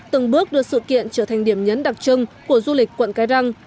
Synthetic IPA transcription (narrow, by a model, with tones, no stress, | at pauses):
t̪ɨ˨˩ŋɓɨ˦˥ək̚ɗɨ˨˩ək̚sɨ̰˧˨kḭ˧˨ənt͡ɕəː˧˩t̪ʰa˨˩jŋ̟ɗi˧˩əmɲə˨˦nɗa˨˩t̚t͡ɕɨ˧ŋku˧˩əzu˧li˨˩k̟̚ʲkwə̰˧˨nkaː˨˦jɗa˧ŋ